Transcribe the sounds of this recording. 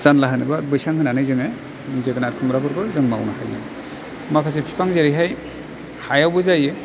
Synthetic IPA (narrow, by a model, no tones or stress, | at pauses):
zanlaɦɯnɯbabɯjsaŋhɯnanɯjzɯŋej | zeɡanaɾkʰumɾabɯɾbɯzɯŋma̰wnahajḛ | makʰas̬epʰi̥pʰaŋzeɾɯjɦaj | hajawbɯzaje